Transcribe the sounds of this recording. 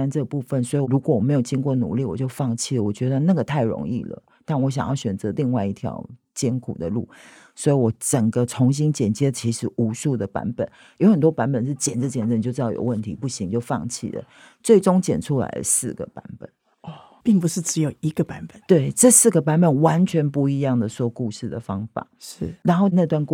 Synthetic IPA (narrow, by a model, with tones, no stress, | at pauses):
a˥nʈ͡ʂɤ˥˩pu˥˧fə˨nswɔ˧˥i˨˧ɻu˧˥kwɔ˨˩wɔ˨˩me˧˥jo˨˩ʊt͡ɕi˥ŋkwɔ˥˩nṵ˨˩li˥˩wɔ˨˩t͡ɕjo˥˧ʊfɑ˥˧ŋt͡ɕʰi˥˩lə˩wɔ˨˩t͡ɕɥɛ˧˥d̪ə˧na˥˩ɡə˩t̪ʰa˥˩ɪɻʊ̰˧˥ŋḭ˥˩lə̰˩ | t̪a˥˩nwɔ˧˥ɕ̬jɑ̰˨ŋjɑ˥˩ɕɥɛ˨˩nt͡sɤ˧˦˥li˥˧ŋwa˥˧ɪi˥˩t̪ʰjɑ̰˧˥ʊ | t͡ɕjɛ˥nkʰṵ˨˩d̪ə̰˦lṵ˥˩ | swɔ˧˥i˨˧wɔ˧˥ʈ͡ʂə˨˩ŋɡə˦t͡sʰʊ˧˥ŋɕ̬i˥nt͡ɕjɛ˨˩nt͡ɕjɛ˥t͡ɕʰi˧˥ʂɻ̩˧˦ʔu˧˥ʂu˥˩d̪ə˩pa̰˧˥nbə̰˨˩˦n | jo˧˥ʊxə˨˩nt̪wɔ˥pa˧˥npə˨˩nʂɻ̩˥˩t͡ɕjɛ˨˩nt͡s̩˧˩t͡ɕjɛ˨˩nə˥˩˧t͡ɕo˥˧ʊɻ̩˥˧ɑ˥˩jo̰˨˩ʊwə˥˩nt̪ʰḭ˧˥pu˥˩ɕi˧˥ŋt͡ɕjo˥˧ʊfɑ̰˥˧ŋt͡ɕʰḭ˥˩lə̰˩ | t͡swe˥˩ɪʈ͡ʂʊ˥ŋt͡ɕjɛ̰˨˩nʈ͡ʂʰu˥la̰˧˥ɪdə˨sɹ̩˥˩ɡə̰˩pa̰˧˥npə̰˨˩˦n | ɔ˥˩ | pi˥˩ŋpu˨˩ʂɻ̩˥˩ʈ͡ʂɻ̩˧˥jo˨˩ʊi˧˥ɡə˧pa˧˦npə˨˩˦nt̪we˥˩ɪʈ͡ʂɤ˥˧sɹ̩˥˩ɡə˩pa˧˥nbə˨˩nwa˧˦˥nt͡ɕʰɥɛ˧˥npu˥˩i˧˥jɑ˥˩ŋd̪ə˩ʂwɔ˥ku˥˧ʂɻ̩˥˩d̪ə˩fɑ˥ŋfa̰˨˩˦ʂ̩˥˩ɻa˧˥nxo˥˩ʊna˥˧t̪wa˥˧nk